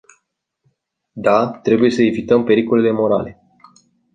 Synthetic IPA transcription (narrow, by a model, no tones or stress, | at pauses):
d̪at̪ɾe̞buje̞səe̞vit̪əmpe̞ɾiko̞le̞lemo̞ɾa̰le̞